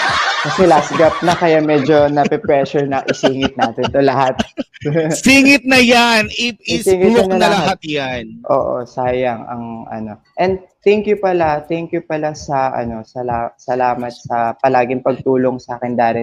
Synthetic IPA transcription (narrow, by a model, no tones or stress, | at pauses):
kɐsɛlast̪̚ɡap̚nɐkɐjamɛd͡ʒo̞nɐpɛpɹɛʃʊɹnɐʔɪsiːŋɪt̪̚naːt̪ɪnt̪olɐhat̪̚ | siŋɪt̪̚nɐjanɪɪsiːŋɪtɐnɐlɐɐɐhat̪janʔo̰ːʔo̰saːjɐŋɐ̰ŋʔɐ̰no̞ | ʔɛnd̪̚t̪ɛŋkjʊpɐlat̪ɛŋkjʊpɐlasɐʔɐ̰no̞sɐlasɐlaːmɐt̪̚sɐpɐlaːɡɪŋpɐɡ̚t̪uːloŋsɐʔaːkɪnd̪aːlɛ